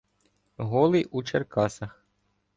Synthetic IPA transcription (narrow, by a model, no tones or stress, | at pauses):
ɦɔlˠɪʔut͡ʃerkɑsɐx